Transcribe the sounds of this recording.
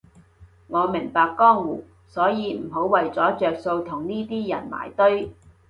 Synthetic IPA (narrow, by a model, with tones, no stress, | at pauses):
ŋɔː˨˧mɪ˨˩ŋpaː˨˧kːɔː˥ŋwṵː˨˩ | sɔː˨˥jiː˨˧m̩˨˩ɦo˨˥wwːɐ˨jt͡sɔː˨˥t͡ʃœː˨k̚so˧wt̪ʰʊ˨˩ŋniː˥t̪iː˥jɐ˨˩nma̰ː˨˩jt̪ɵ˥ɥ